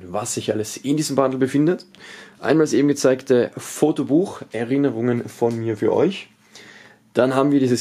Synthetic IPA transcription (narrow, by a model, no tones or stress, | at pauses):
vasz̥ɪçʔaləsɪndiːzəmbandl̩bəfɪndətʔa̰ɪnmaːlsʔeːbm̩ɡət͡saɪktʰəfoːtobuːxʔɛɐʁɪnəʁ̞ʊŋənfɔnmiːɐfyːɐʔɔ̰ʏç | d̥anɦaːbm̩viɐdiːzəs